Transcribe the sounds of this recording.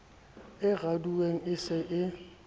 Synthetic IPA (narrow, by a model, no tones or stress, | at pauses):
ɪɣaduweŋ̩ɪsɪʔɪ